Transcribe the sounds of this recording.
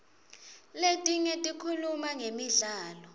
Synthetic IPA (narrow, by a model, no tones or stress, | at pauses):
letʼiɲɛtʼikʰulumaŋemiɮaːlɔ